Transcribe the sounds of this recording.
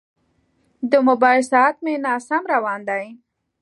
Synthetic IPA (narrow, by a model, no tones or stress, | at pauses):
d̪əmʊbɑjlsɑt̪menɑsamɾawɑnd̪aj